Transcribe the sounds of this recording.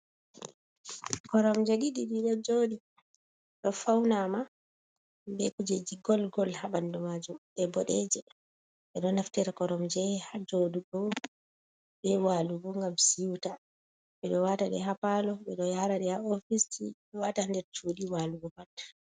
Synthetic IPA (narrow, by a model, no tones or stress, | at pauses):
kɔɾɔmd͡ʒɛɗiɗiɗiɗɔd͡ʒoɗi | ɗɔfawnama | bɛkud͡ʒɛd͡ʒiɡɔlɡɔlhaɓandɔmad͡ʒumɓɛbɔɗɛd͡ʒɛ | ɓɛɗɔnaftɛɾakɔɾɔmd͡ʒɛhad͡ʒoduɡɔ | ɓɛwaluɡuŋɡamsiwta | ɓɛɗɔwataɗɛ̰ɦapalɔɓɛɗɔjaɾaɗɛhaofisḭɗɛwatandɛɾt͡ʃuɗiwaluɡɔpatḁ